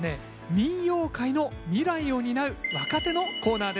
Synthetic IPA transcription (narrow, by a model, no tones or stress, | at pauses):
ne̞ | mʲĩɰjo̞ːkaino̞mʲiɾaio̞ɲ̟inaɾɯ̟βakat̪e̞no̞ko̞ːnaːd̪e